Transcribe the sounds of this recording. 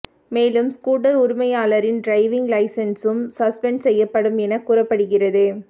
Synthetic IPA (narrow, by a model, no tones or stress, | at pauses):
meːlɯmskuːʈɐɾʊɾʊmɐjaːlɐɾɪnɖɾɐɪʋɪŋɡlɐɪsɐnsɯmsɐspɛɳɖsɛjːɐpːɐɽɯmɛnɐkːuːɾrɐpːɐɽɯɣɪrɐðɯ